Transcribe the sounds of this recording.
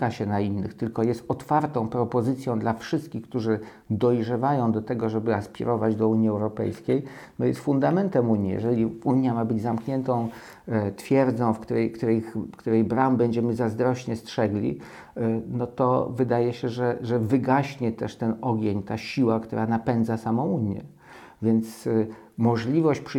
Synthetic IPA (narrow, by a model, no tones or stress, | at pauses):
kaɕɛnainːɘ̰xt̪ɘlkɔjɛst̪ɔt̪faɾt̪ɔ̃w̃pɾɔpɔzɘt̪sʲjɔ̃w̃d̪lafʂɘst̪̚kʲixk̚t̪uʐɘ | d̪ɔjʐɛvajɔ̃w̃d̪ɔt̪ɛɡɔʐɛbɘaspʲḭɾʔɔvad͡ʑd̪ɔuɲjiɛwɾɔpɛ̰jskʲejnɔjɛst̪fund̪amɛnt̪ɛmuɲḭjɛ̰ʐɛlʲiuɲjamabɘd͡ʑzamkɲɛnt̪ɔ̃w̃ | t̪fʲjɛɾd̪zɔ̃w̃fkt̪uɾɛjkt̪uɾɛxkt̪uɾɛjbɾambɛɲd͡ʑɛmɘzazd̪ɾɔɕɲɛstʂɛɡlʲḭ | nɔt̪ɔ̰vɘd̪ajɛɕɛʐɛʐɛvɘɡaɕɲɛt̪ɛʂt̪ɛnɔɡʲeɲt̪aɕiwakt̪uɾʔanapɛnd̪zasamɔ̃w̃uɲjɛ̰ | vʲjɛnt̪s | mɔʐlʲivɔɕt͡ɕpʂ